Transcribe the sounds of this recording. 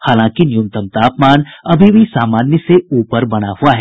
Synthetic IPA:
haːlãːkinɪjʊ̃nt̪əmt̪aːpmaːnɐbʱibʱisaːmaːnjəseuːpəɾbɐɽ̃aɦuaɦɛː

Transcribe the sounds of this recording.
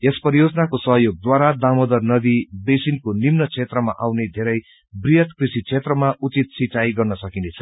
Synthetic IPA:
espʌɾijod͡zʌnakosʌɦʌjoɡ̚d̪waɾad̪amod̪ʌrnʌd̪ibesinkonimnʌt͡sʰet̪rʌmaʔawned̪ʱeɾʌj | brijʌt̪krisit͡sʰet̪rʌmaʔut͡sit̪̚sit͡sajɡʌrnʌsʌkinet͡sʰʌ̥

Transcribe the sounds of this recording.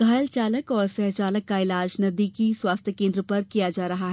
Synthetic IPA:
ɡ̥ʱaːjəlt͡ʃaːləkɔːɾsɛɦt͡ʃaːləkkːaɪlaːd͡ʒnɐd̪ikiswaːst̪ʰjəkẽnd̪ɾəpɐɾkijad͡ʒaːɾɐɦaɦɛː

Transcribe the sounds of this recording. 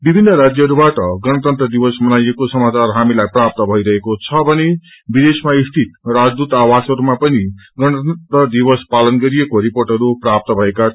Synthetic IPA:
bibʱinːʌɾad͡zjʌɦʌɾubaʈʌɡʌɽ̃ʌt̪ʌnt̪rʌd̪ibʌsmʌnajekosʌmat͡sarɦamilajprap̚t̪ʌbʱʌiɾʌɦekot͡sʰʌbʱʌne | bid̪esmaist̪ʰit̪rad͡zd̪ut̪awasɦʌɾumapʌni | ɡʌñʌt̪rʌd̪ibʌspalʌnɡʌɾijekoɾiporʈɦʌɾuprap̚t̪ʌbʱʌeka

